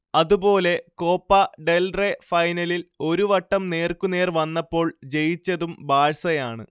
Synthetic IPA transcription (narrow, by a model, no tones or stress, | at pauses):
ɐðubo̞ːle̞ko̞ːpːɐɖe̞lrefɐjnɐlilo̞ɾuʋɐʈːɐmne̞ːrkune̞ːrʋɐnːɐpːo̞ːɭd͡ʑe̞jit͡ɕːɐðumbaːɻsɐjaːɳɨ̰